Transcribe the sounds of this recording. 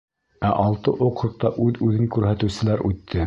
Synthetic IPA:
æʔɑlˠt̪ɤʔoqɾɤ̆q̚t̪ɑʔʉðʉðɘŋkʉɾɦæt̪ɘ̆wsɘ̆læɾʔʉt̪ʰːɘ

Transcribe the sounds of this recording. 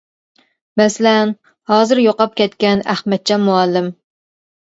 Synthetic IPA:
mɛsɪlɛn | hɑːzɨɾjoqɑp̚kʲɛt̪kʲɛnæhmɛt̪̚t͡ʃʰɛmuɑlːɪm

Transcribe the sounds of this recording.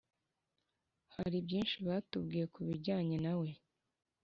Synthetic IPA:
haɾibɟiːnʃiβaːtubɡiːje̞kuβiɟaːɲe̞nawe̞

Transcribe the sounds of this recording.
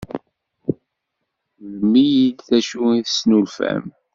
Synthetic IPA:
ðəmijid̪θæʃuiθə̥snulfæ̰m

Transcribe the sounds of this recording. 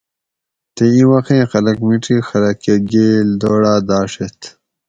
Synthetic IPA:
t̪eĩwɐxẽːxɐlɐkmiʈixɐɾɐkeɡeːld̪oːɽaːd̪aːʂet̪

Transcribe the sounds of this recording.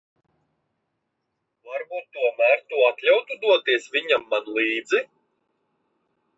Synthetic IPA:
vaɾbuːt̪ːuɔmaːɾt̪uɔat̪lʲawt̪ud̪uɔt̪iɛsvʲiɲamːanlˠiːd̪zi

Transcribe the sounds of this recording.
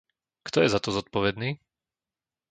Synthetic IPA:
kt̪ɔjɛzat̪ɔzɔt̪̚pɔʋɛd̪niː

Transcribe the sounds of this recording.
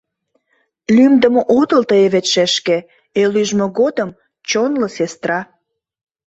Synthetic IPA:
lymd̪əmoʔot̪əlt̪əeβet̪ʃeʃkĕ | elyʒmoɣod̪əm | t͡ɕonləsest̪rɑ

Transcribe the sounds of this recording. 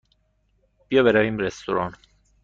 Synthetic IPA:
b̥ijɒbeɾæviːmɾest̪oɾɒn

